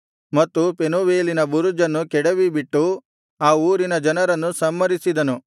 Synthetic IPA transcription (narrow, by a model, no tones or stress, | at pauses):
mɐt̪ːupenuʋeːlinɐbuɾud͡ʒɐnːukɛɽɐʋibiʈːu | aːuːɾinɐd͡ʒɐnɐɾɐnːusɐmːɐɾisid̪ɐnu